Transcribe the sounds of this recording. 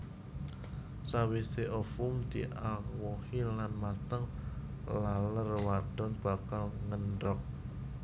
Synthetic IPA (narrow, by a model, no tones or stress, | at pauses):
sawiseʔɔfʊmd̪̥iʔaŋwɔhilanmat̪əŋlalərwad̪̥ɔ̤nb̥a̤kalŋənɖɔk̚